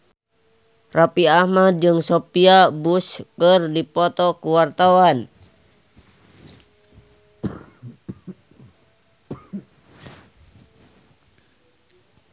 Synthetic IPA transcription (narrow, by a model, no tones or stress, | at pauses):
rapiahmad͡ʒɨŋsopiabuskərdipɔt̪ɔkuwart̪awan